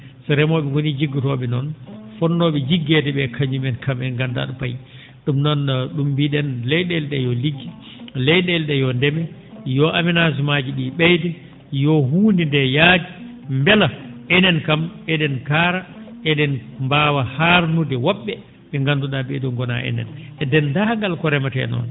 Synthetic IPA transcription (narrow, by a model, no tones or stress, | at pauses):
sɛɾɛmɔɓɛwonid͡ʒiɡːitɔɓɛnɔnfɔnːɔɓɛd͡ʒiɡːɛdɛɓɛkʰaɲd͡ʒumɛnkamɛŋɡanda̰ɗupa̰j | ɗumnɔnɗumbiɗɛnlɛjɗɛlɗɛjɔliɡːi | lɛjɗɛlɗɛjɔndɛmɛjɔʔaminasimad͡ʒiɗiɓɛjdɛ | jɔɦuːndindɛjad͡ʒi | mbɛlaʔɛnɛnkamɛɗɛnkaːɾaɛɗɛnmbawahaɾnudɛwɔɓːɛ | ɓɛŋɡanduɗaɓɛduŋɡɔna̰ʔɛ̰nɛ̰nɛdɛndaŋɡalkɔɾɛmatɛ̰nɔ̰n